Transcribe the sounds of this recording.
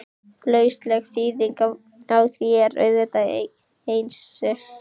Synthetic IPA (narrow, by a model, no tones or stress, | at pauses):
lœɥst̪lɛɣθiːðiŋka | awθjɛɛɾœ̰ɥðvɛt̪a | ejnsːɛ